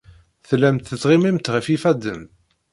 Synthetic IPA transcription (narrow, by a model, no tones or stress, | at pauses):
θlæmt̪θət͡sːˤʁimimt̪ʁəfifæd̪ə̰n